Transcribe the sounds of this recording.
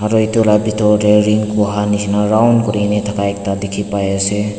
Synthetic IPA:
haɾojtulabitʰɔɾeɾiŋkuɦanihinaɾawnkuɾinitʰakʰajk̚tadikʰipajase

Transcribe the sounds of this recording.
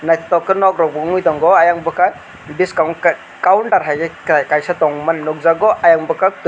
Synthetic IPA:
najtɔkːɯnɔk̚ɾɔk̚bɯŋujtɔŋɡɔajaŋbɯkaj | biskawn | kawnʈaɾɦajɡekajsatɔŋmanːɔk̚zaɡɔʔajaŋbɯkat

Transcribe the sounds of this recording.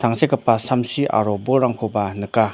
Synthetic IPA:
t̪ʰaŋsʰekəpːasʰamsʰiʔa̰ɾoboɾaŋkʰopanəkːa

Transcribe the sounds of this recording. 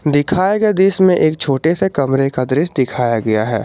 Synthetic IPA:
d̪ɪkʰaːjaɡɐjad̪iːsmẽʔeːk̚t͡ʃʰoːʈesekɐmɾekad̪ɾɪsd̪ɪkʰaːjaɡɐjaɦɛ̰ː

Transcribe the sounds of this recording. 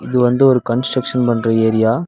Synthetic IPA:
ɪðɯʋɐnd̪ɯɔɾɯkɐnsʈɾɐkʂɐnpɐɳːrɐeːɾɪjaː

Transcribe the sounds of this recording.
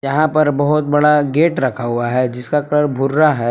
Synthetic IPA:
jɐɦãpɐɾbɐɦʊt̪̚bɐɽaɡeːʈɾɐkʰaɦuaɦɛd͡ʒɪskakəɾbʱʊɾːaɦɛ

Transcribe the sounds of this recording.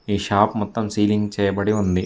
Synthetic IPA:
iːʃaːpmɔt̪ːɐmsiːliŋɡt͡ʃɛːjɐbɐɽiund̪i

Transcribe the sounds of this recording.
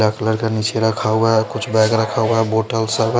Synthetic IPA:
aːkləɾkanit͡ʃʰeɾɐkʰaaɛkʊt͡ʃʰbɛːkɾɐkʰauaɛboːʈəlsəb

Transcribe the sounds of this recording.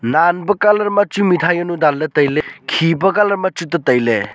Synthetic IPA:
nanbɐkalɐɾmat͡ʃumitʰajɐnudaldetɐjlekʰibɐkalɐɾmat͡ʃutɐtɐjle

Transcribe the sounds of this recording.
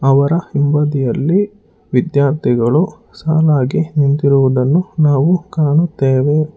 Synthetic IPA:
ɐʋɐɾɐhimbɐd̪ijɐlːi | ʋid̪jaːɾt̪ʰiɡɐɭu | saːlaːɡinint̪iɾuʋud̪ɐnːunaːʋukaːnut̪ːeːʋe

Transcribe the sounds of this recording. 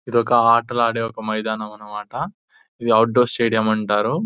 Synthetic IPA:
id̪ɔkɐaːɾʈɐlaːɽeːɔkɐmɐjd̪aːnɐmɐnɐmaːʈɐ | id̪iɐwʈ̚ɖoːsʈeːɽijɐmɐɳʈaːɾu

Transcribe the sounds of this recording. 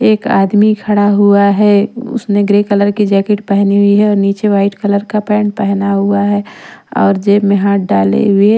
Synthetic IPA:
eːka̰ːd̪mikʰɐɽaɦuaɦɛʊ̰smẽɡɾekələɾkid͡ʒɛːkeʈpɛɦniɦuiɦɛɔːɾniːt͡ʃeʋaːɪʈkələɾkapɛːɳpɛɦnaɦuaɦɛɔ̰ːɾd͡ʒemeɦãːɖaːlḛɦue

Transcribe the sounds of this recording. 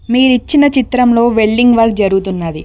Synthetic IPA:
miːɾit͡ʃːinɐt͡ʃit̪ɾɐmlo̞ːʋe̞ɭːiŋɡʋɐɾkd͡ʒɐɾuɡut̪unːaːd̪i

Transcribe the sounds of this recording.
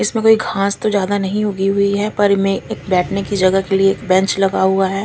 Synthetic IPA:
ɪsmẽkoːiɡʱãːst̪od͡ʒjaːd̪anɐɦĩɦoɡiɦʊiɦɛpɐɾmẽeːk̚bɛːʈʰnekid͡ʒɐɡəkelieːkbɛ̃t͡ʃlɐɡaɦuaɦɛː

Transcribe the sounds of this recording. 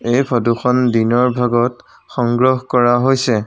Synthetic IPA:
ejpʰɔduxɔndinɔɹbʱaɡɔt | xɔŋɡɹɔɦkɔɹaɦojsɛ

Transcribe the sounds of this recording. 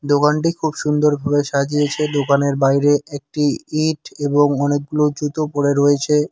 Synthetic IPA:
d̪okanʈ̬ikʰubʃund̪oɾbʱabeʃad͡ʑiet͡ɕʰed̪okaneɾbajɾeek̚ʈiiʈeboŋɔnek̚ɡulod͡ʑut̪opoɽeɾojet͡ɕʰe

